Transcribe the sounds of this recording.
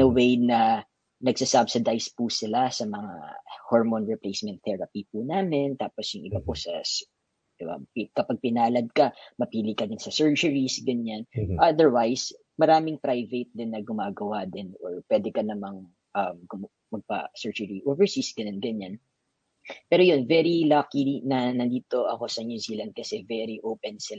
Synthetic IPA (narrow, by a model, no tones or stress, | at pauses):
ɐwejnɐ | nɐɡsasabsɪd̪ajspusɪlasɐmɐŋa̰hoɹmonɹɪplejsmɛnt̪θɛɹɐpipunaːmɪnt̪aːposjʊŋʔɪbaposɐs | d̪̥ɪba̰pkɐpaɡ̚pɪnaːlɐd̪̚kɐmɐpiːlɪkɐd̪ɪnsɐsɛɹd͡ʒʊɹisɡɐɲanʔɐd̪ɛɹwajs | mɐɾaːmɪŋp̪ɾajvejt̪̚d̪ɪnːɐɡʊmaːɡɐwad̪ɪnoɹpwɛːd̪ɛkɐnɐmaŋ | ʔɐmɡʊ | mɐɡ̚pɐ̰sɛɹd͡ʒʊɹiʔoːvɛɹsisɡɐɲanɡɐɲan | pɛːɾojonvɛɾilakinɐnɐnd̪iːt̪o̞ʔɐko̞sɐɲuːziːlɐnd̪̚kɐsɛvɛɾiʔowpɛnsɪ